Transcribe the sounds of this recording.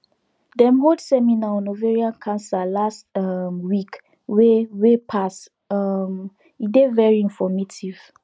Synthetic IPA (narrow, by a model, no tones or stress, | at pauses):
dɛ̃mɦoldsɛminaɔ̃noveɹiãnkʰãnsalastamwik | wewepʰas | am | idevɛɹiĩnfɔmetʰiv̥